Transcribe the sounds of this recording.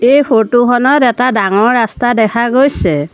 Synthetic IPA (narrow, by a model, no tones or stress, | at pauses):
ejpʰotukʰɔnɔtɛtadaŋɔɹːastadɛkʰaɡojsɛ